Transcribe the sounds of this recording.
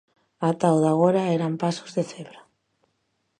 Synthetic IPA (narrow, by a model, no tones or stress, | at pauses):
at̪awðaɣ̞oɾaeɾampaso̥zðeθeβɾa